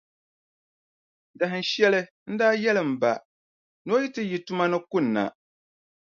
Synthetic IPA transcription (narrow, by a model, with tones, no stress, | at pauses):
da˨ɦɨ˨n˦ʃɛ˦lɨ˦ | n̩˦daː˦jɛ˦lɨ˨m̩˨ba̰˨ | no˦ji˦tɨ˦ji˨tu˦ma˦nɨ˦kʊ˦n̩ːa̰˨